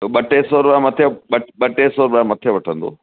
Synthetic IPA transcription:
ɓɐʈesoːɾɓãmɐt̪ʰeɓɐɓɐʈesoːɾɓãmɐt̪ʰeʋɐʈʰə̃nd̪o̰ː

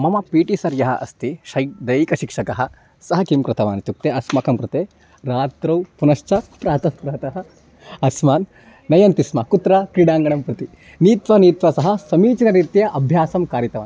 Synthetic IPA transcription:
mɐmɐpiːʈisɐɾjɐɦɐ̰ʔɐ̰st̪iʃɐjd̪ɐjikɐʃikʂɐkɐɦɐ | sɐɦɐkimkɾɨt̪ɐʋaːnit̪uk̚t̪eːɐsmɐkɐmkɾɨt̪eː | ɾaːt̪ɾɐwpunɐʂt͡ʃɐpɾaːt̪ɐtpɾaːt̪ɐɦɐ | ɐsmaːnː | ɐjɐnt̪ismɐkut̪ɾɐkɾiɽaːŋɡɐɳɐmpɾɐt̪i | niːt̪ʋɐniːt̪ʋɐsɐɦɐ̆sɐmiːt͡ʃɐnɐɾit̪jɐʔɐbʱjaːsɐmkaːɾjɐt̪ɐʋa̰ːn

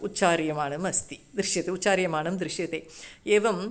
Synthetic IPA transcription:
ut͡ɕːaːɾjɐmaːɳɨmɐst̪id̪ɾiʂjɐt̪euːaːɾjɐmaːɳɨmd̪ɾiʂjɐt̪eeːʋɐm

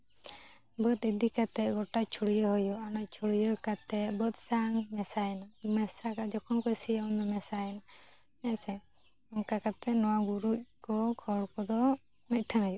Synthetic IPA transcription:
bət̪id̪ikat̪ɛt̪̚ɡɔʈat͡ʃʰuɽijɔɦɔjɔanact͡ʃʰuɽijɔkat̪ɛt̪̚bət̪̚saŋmɛsaɛnamɛsakad͡ʒɔkʰɔnkɔsijaɔnd̪ɔmɛsaɛna | ɛsɛ | ɔŋkakat̪ɛnɔwaɡuɾuc̚kɔkʰɔɽkɔd̪ɔ | mit̪̚ˀʈʰanaju

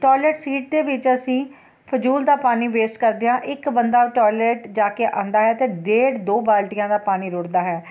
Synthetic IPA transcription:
ʈɔːlɛːʈsiːʈ̚d̪eːʋɪt͡ʃəsĩː | pʰəd͡ʒuːld̪aːpaːniːʋeːsʈkəɾd̪ejãːʔɪkbənd̪aːʈɔːlɛːʈd͡ʒaːkeːʔã̰ːnd̪aːɦɛːət̪eːɖeːɽd̪oːbaːlʈijãːd̪aːpaːniːɾʊɽd̪aːɦɛː

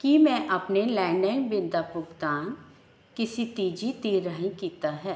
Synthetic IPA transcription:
kimɛ̃ʔɐpnelɛ̃ːɳɖəːnbɪnd̪apʊɡd̪aːn | kɪsit̪iːd͡ʒit̪iːɾəɦĩkiːt̪aɦɛː

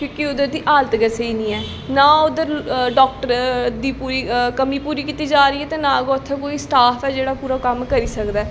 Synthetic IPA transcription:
kʊ̃ːkiʊd̪əɾd̪iːʔaːlt̪ɡəsəiːnĩːɛː | nãːʊd̪əɾɖɔːk̚ʈəɾd̪iːpuːɾiːkəmiːpuːɾiːkiːt̪iːd͡ʒaːɾəiːɛːt̪eːnãːɡoːt̪ʰːɛːkoːiːsʈaːfʰɛːd͡ʒeːɽaːpuːɾaːkəmkəɾiːsəkd̪aː

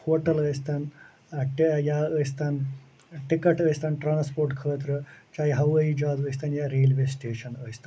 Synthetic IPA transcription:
hoːʈɐləːist̪aːn | ʈjaːəst̪aːn | ʈikɐʈəːjst̪aːnʈɾaːnspoːɾʈkʰəːt̪̬ɾɨt͡ʃaːjiɦɐʋɐid͡ʒaːd̪əːist̪ʰaːnjaːɾeːlʋeːsʈeːʂɐnəːist̪ʰan

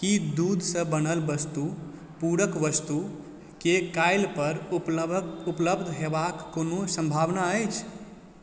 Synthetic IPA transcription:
kid̪ud̪ʱsə̃bənəlbəst̪u | puɾəkʋəst̪u | kekajlpəɾuupləbd̪ʱɦebakːonosə̃mbʱaʋnaəjt͡ʃʰ

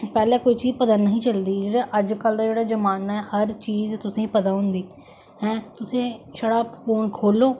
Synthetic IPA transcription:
pɛːlẽːkoːiːt͡ʃiːzpəd̪aːnəɦĩːt͡ʃəld̪iːd͡ʒeːɽaːʔəd͡ʒkəld̪aːd͡ʒeːɽaːd͡ʒəmaːnaɛːhəɾt͡ʃiːzt̪ʊsẽːipəd̪aːɦʊ̃nd̪iː | ɦɛ̃ːt̪ʊsẽːʃəɽaːfoːnkʰoːloː

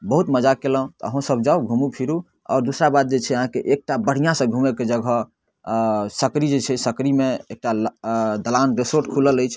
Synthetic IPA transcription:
bəɦut̪məd͡ʒakelə̃t̪ɔə̰ɦũsəbd͡ʒauɡʱumupʰiɾu | ɔ̰ːɾd̪usɾabad̪̚d͡ʒet͡ʃʰɛəɦãkeʔek̚ʈabəɽ̤ijãsə̃ɡʱumeked͡ʒəɡʱɔ | səkɾid͡ʒet͡ʃʰɛsəkɾimeek̚ʈald̪əlanɾesoɾʈkʰulələjt͡ʃʰ

